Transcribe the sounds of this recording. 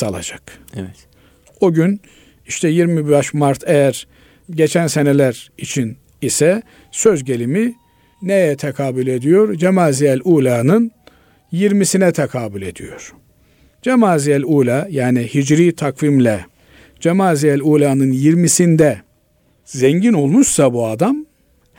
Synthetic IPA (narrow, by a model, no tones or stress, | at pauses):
salˠa̰d͡ʒak̪ | oɟyn | iʃt̪ʰɛjiɾmibbaʃmaɾt̪ʰejæɾ | ɟe̞t͡ʃʰænsenelʲæɾit͡ʃʰin | isɛ | sø̞zɟe̞lʲimi | nejjɛt̪ʰekʰaːbulʲe̞d̪ijo̞ɾd͡ʒemaːzijælʲuːlʲaːnɯn | jiɾmisinɛt̪ʰɛkʰaːbulʲe̞d̪ḭjo̞̰ɾ̥ | d͡ʒemaːzijɛlʲuːlʲaːjaːnihid͡ʒɾiːt̪ʰakvimlʲɛ | d͡ʒemaːzijælʲuːlʲaːnɯnjiɾmisind̪ɛ | zeɲɟino̞lˠmuʃsabuad̪am